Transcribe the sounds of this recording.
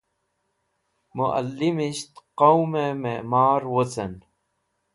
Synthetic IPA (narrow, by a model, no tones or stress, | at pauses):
muʔa̰lːimiɕt̪qowmememaːɾwot͡sɐn